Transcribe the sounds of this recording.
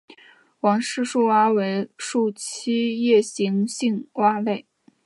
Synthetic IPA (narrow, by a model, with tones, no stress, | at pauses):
wɑ˧˥ŋʂɻ̩˥˧ʂu˥˧wa˥we˧˥ɪʂu˥˩t͡ɕʰi˥jɛ˥˩ɕi˧˥ŋɕi˥˩ŋwa˥le˥˩ɪ